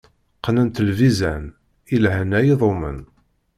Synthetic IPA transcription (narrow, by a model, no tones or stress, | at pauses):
qːnænt̪əlvizæn | ilɦænæjiðˤomə̰n